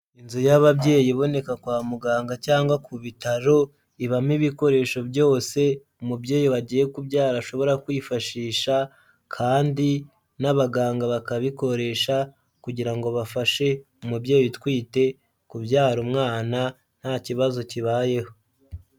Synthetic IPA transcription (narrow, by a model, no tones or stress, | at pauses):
inzujaβabje̞ːjiβo̞ne̞kakwaːmuɡaːŋɡacaːŋɡwakuβitaɾo̞ | iβamiβiko̞ɾe̞ʃo̞bjo̞ːse̞ | umubje̞ːjiβaɟiːje̞kubjaːɾaʃo̞βo̞ɾakwiːfaʃiːʃa | kʰaːndi | naβaɡaːŋɡaβakaβiko̞ɾe̞ʃa | kuɟiɾaŋɡo̞βafaʃe̞ | umubjeːjjitwiːte̞ | kubjaːɾumŋaːna | n̥haːciβazo̞ciβaːje̞ho̞